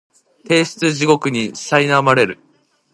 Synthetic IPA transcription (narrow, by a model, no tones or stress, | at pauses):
t̪e̞ːɕi̥t͡sɨʑiɡo̞kɯ̟ɲ̟iɕsainamaɾe̞ɾɯ̟